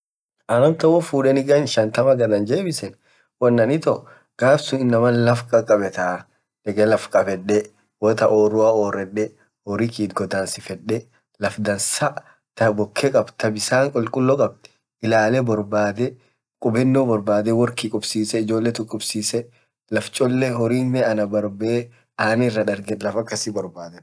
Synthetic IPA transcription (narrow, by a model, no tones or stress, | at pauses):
ʔɐnɐnt̪ɐwɔfuːᶑɛnɪɡɐnʃɐnt̪ɐmɐɡɐd̪ɐnd͡ʒeːbɪsɛn | wɐnːɐnɪt̪ɔ | ɡ̥aːbsʊnɪnːɐmɐnlɐfkʼɐkʼɐbɛt̪a | ᶑ̪ɛɡʼɛlɐfkʼɐbɛɗːɛ | wɔt̪ɐʔoːɾʊaoːɾɛᶑɛ | oːɾikiːt̪ɡɔd̪aːnsɪfɛɗːɛ | lɐfd̪ɐnsɐʔ | t̪ɐbɔkʰːɛkʼɐbt̪ʰɐbɪsaːŋkʼɔlkʼʊlːɔkʼɐb̚t̪ɛ̥ | ɪlaːlɛbɔɾbaːd̪ɛ | kʼʊbɛnːobɔɾbaːd̪ɛwɔɾkɪkʼʊbsiːsɛɪd͡ʒo̞ːlːɛt̪ʊkʼːʊbsiːsɛ | lɐft͡ʃʼɔlːɛɦɔɾiːnːɛɐnɐbɐɾbeː | aːnɪrːɐᶑ̪ɐɾɡɛlɐfɐkːɐsɪbɔɾbaːd̪ɛ